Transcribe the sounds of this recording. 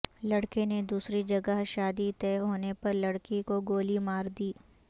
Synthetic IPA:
lɐɽkened̪uːsɾid͡ʒɐɡəɦʃaːd̪it̪ɛːɦoːnepɐɾlɐɽkikoɡoːlimaːɾd̪iː

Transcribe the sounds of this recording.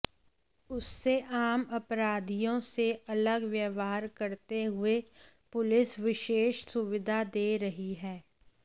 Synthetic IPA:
ʊsːeʔaːmɐpɾaːd̪ʱijõseɐləɡʋjəʋaːɾkɐɾt̪eɦʊe | pʊlɪsʋɪʃeːʃsʊʋɪd̪ʱad̪eːɾɐɦiɦɛː

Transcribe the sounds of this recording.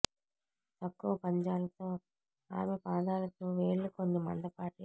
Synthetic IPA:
t̪ɐkːuʋɐpɐɲd͡ʒaːlɐt̪oː | a̰ːmepaːd̪aːlɐt̪oːʋeːɭːukond̪ɐmɐ̰ɳɖɐpaːʈi

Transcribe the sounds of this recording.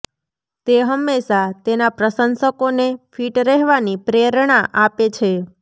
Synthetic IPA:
t̪eɦəmːeʃat̪enapɾəsənsəkonefʰiʈɾɛɦʋanipɾeɾɳaʔapet͡ʃʰe

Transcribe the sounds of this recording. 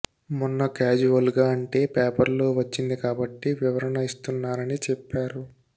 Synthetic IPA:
munːɐkaːd͡ʒuʋɐlɡaːɐɳʈe̞ːpeːpɐɾlo̞ːʋɐt͡ʃːind̪ikaːbɐʈːiʋiʋɐɾɐnɐist̪unːaːɾɐnit͡ʃɛpːaːɾu

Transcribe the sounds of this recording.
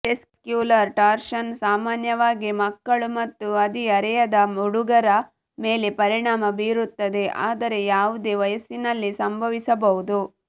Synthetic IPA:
ʈeskkjuːlɐɾʈaːɾʃɐnsaːmaːnjɐʋaːɡimɐkːɐɭumɐt̪ːuɐd̪iɐɾɛjɐd̪ɐmuɽuɡɐɾɐ | me̞ːlepɐɾiɳaːmɐbiːɾut̪ːɐd̪e̞ʔa̰ːd̪ɐɾe̞jaːʋud̪eːʋɐjɐsinɐlːisɐmbʱɐʋisɐbɐɦud̪u

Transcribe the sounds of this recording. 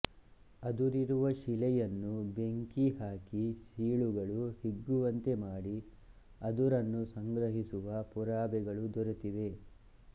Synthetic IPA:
ɐd̪uɾiɾuʋɐʃilɛjɐnːube̞ŋkiɦaːkisiːɭuɡɐɭuhiɡːuʋɐnt̪e̞maːɽi | ɐd̪uɾɐnːusɐŋɡɾɐɦisuʋɐpuɾaːbɛɡɐɭud̪ɔɾut̪iʋe̞

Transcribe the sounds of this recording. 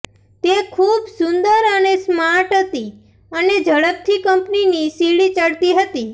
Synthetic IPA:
t̪ekʰubsʊnd̪əɾənesmaɾʈɦət̪i | əned͡ʒəɭəp̚t̪ʰikəmpninisiɭit͡ʃəɽt̪iɦət̪i

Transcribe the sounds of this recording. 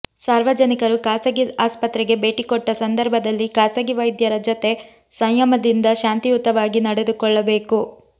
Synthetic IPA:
saːɾʋɐd͡ʒɐnikɐɾukaːsɐɡiaːspɐt̪ɾɛɡe̞be̞ːʈikɔʈːɐsɐnd̪ɐɾbʱɐd̪ɐlːikaːsɐɡiʋɐjd̪jɐɾɐd͡ʒot̪e̞ | sɐjjɐmɐd̪ind̪ɐʃaːnt̪iut̪ːɐʋaːɡinɐɽe̞d̪ukɔɭːɐbe̞ːku

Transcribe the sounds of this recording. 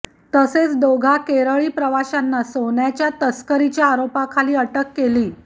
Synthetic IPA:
t̪əset͡sd̪oɡʱakeɾəɭiːpɾəʋaɕanːasoɳjat͡ɕjat̪əskəɾit͡ɕjaːɾopakʰaliːəʈəkːeliː

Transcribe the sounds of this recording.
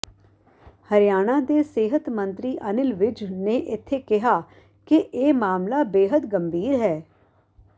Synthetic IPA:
həɾɪjaːɽ̃ãːd̪eːseːɦət̪mənt̪ɾiːʔənɪlʋɪd͡ʒneːʔɪt̪ʰːeːkɪɦaː | kɪʔeːmaːmlaːbeːɦəd̪ɡəmbʱiːɾɦɛː

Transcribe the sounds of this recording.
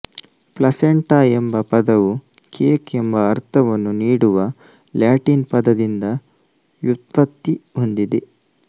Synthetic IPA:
plɐseɳʈaːembɐpɐd̪ɐʋu | kʰeːkembɐːɾt̪ʰɐʋɐnːuniːɽuʋɐ | ljaːʈiːnpɐd̪ɐd̪ind̪ɐ | jut̪̚pɐt̪ːiɦond̪id̪e

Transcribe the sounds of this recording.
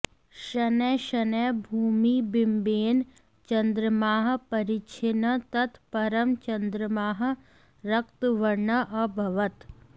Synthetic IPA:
ʃɐnɛʃɐnɛbʱuːmibɪmbeːn | t͡ʃɐ̃nd̪ɾəmaːɦpɐɾɪt͡ʃʰɪnət̪ɐt̪ʰpɐɾəmt͡ʃɐnd̪ɾəmaːɦ | ɾɐkt̪ʋɐɾɳɐʔɐbʱɐʋət̪

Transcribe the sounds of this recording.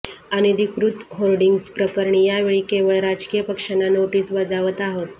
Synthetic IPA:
añid̪ikɾut̪ɦolɖiŋɡspɾəkəɾɳiːjaʋeɭiːkeʋəɭɾad͡zkijəpəkʂanːanoʈiːsbəd͡zaʋət̪aɦot̪

